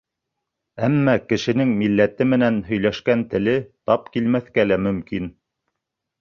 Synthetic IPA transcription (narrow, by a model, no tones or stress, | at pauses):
æmːækɘ̆ʃɘ̆nɘŋmilːæt̪ɘmɘ̆nænɦɵ̆jlæʃkænt̪ɘ̆lɘt̪ɑp̚kilmæθkælæmɵ̆mkin